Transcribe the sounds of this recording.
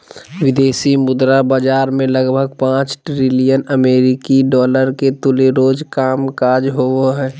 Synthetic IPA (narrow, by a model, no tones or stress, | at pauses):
ʋɪd̪eːsimʊd̪ɾabad͡ʒaːɾmẽləɡbʱəɡ̚pãːt͡ʃʈɾɪlijənəmeːɾɪkiɖɔːləɾket̪ʊleɾoːd͡ʒkaːmkaːd͡ʒɦooɦɛː